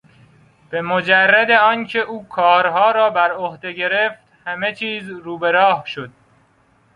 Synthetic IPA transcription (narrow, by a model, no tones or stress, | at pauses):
b̥e̞mod͡ʒærːæd̪eɒːncʰe̞ʔuːkʰɒːɾɦɒːɾɒːbæɾohd̪e̞ɟe̞ɾe̞ft̪hæme̞t͡ʃʰiːzɾuːbe̞ɾɒːhʃod̪̥̚